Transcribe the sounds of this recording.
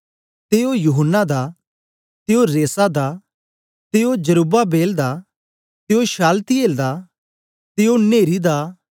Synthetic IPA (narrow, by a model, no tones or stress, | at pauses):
t̪eːojuɦənːad̪a | t̪eoɾeːsad̪a | t̪eːod͡ʒəɾuːbabeːld̪a | t̪eoʃaːlt̪ieːld̪a | t̪eːoneːɾid̪aː